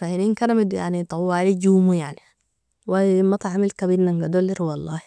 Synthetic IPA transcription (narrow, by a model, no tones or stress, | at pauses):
fahininkaɾamid̪ja̰ʕnit̪ˤɑwːaːlid͡ʒuːmujaʕni | wamɑt̪ˤɑʕamilkabiɾnaŋɡad̪olːiɾwɑlˤːɑːh